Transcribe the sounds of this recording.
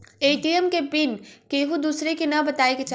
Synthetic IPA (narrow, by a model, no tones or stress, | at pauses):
eʈiəmkepɪnkeɦud̪uːsɾekenɐbət̪aːeket͡ʃa